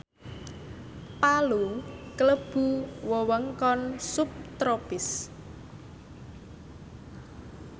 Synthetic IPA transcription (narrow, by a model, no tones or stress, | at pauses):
palukələb̥uwɔwəŋkɔnsup̚t̪ɾopɪs